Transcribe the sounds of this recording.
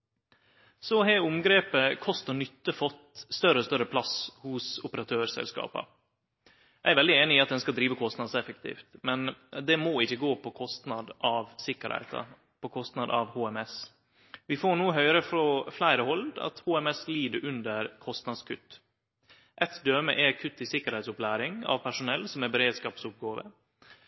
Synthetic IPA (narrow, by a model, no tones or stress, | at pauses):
sɔɦeʊmɡɾeːpəkʰɔst̪əɳʏt̪ːəfɔt̪st̪œɾəɔst̪œɾəpʰlɑshʊsʊpəɾɑt̪ʰøːɾsɛ̰lskɑ̰ːpɑ̰ | jæɪæɾʋɛld̪ɪeːnɪiːɑt̪̚d̪ɛnskɑd̪ɾiːʋəkʰɔst̪nɑd̪sɛfək̚t̪ʰḭːft̪mɛnd̪ɛmoːɪçːəɡoːpʰɔkʰɔst̪nɑd̪ʔɑʋsɪkːəɾhæ̰ɪt̪ɑ̰ | pɔkʰɔst̪nɑd̪ɑʋhuːɛmɛs | ʋɪfoːɳuːəɦœʏɾəfɾɔflæɪɾəhɔld̪ɑ̰t̪huːɛmɛsliːd̪əɾʔʉnd̪əɾkʰɔst̪nɑd̪skʰʉt̪ː | ʔɛt̪d̪øːmə̰ʔɛkʰʉt̪ːɪsɪkəɾhɛɪsʊplæːɾɪŋɑ̰ʋpʰæʂʊnɛlːsɔmɛbɛɾeːd̪skɑːpsʊp̚ɡɑːʋə̰